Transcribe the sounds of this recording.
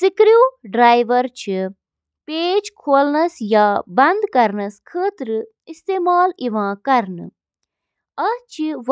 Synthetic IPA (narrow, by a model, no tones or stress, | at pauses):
sikɾjuːɖɾaːjʋɐɾt͡ʃʰi | peːd͡ʒkʰoːlnɐsjaːbɐnd̪kɐɾnɐskʰəːt̪ɾɨ | ist̪eːmaːliʋãːkɐɾnɨ̰ | ɐt͡ʃʰiʋ